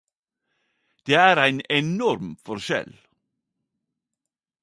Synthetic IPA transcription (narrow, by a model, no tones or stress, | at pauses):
d̪̥eːæːɾæɪnɛnɔɾmfɔɾʃɛ̰l